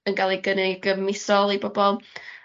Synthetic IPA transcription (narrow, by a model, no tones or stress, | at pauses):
ənɡalˠiɡənɪɡəvmɪsɔlˠibɔbɔlˠ